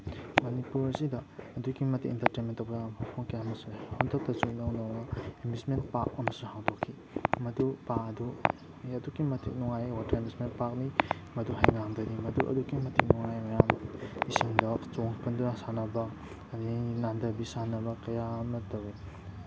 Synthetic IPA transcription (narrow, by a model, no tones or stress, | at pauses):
mɐnipuɾɐsidɐːduɡimɐtikintɐɾtenmentːɐwbɐjapʰoŋkijaɐmɐsuhondɐk̚tɐt͡ʃuŋinawnawnɐimbismenpak̚ɐmɐsuŋhawdokʰːi | mɐdupak̚ɐdu | adukimɐtʰḭk̚nuŋajwatʰɐimbismentpak̚nimɐduɦajŋaŋdɐdimɐduʔɐ̰duɡimɐtʰik̚nuŋajmɐjamisiŋdɐkt͡ʃoŋpʰɐndnasanɐbɐ | dinandɐbisanɐbɐkɐjamɐtɐwi